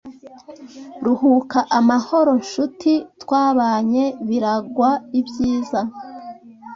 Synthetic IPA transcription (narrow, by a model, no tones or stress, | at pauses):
ɾuhukaʔamaho̞ɾo̞nʃutʰitwaːβaːɲe̞βiɾaɡwaibjiːza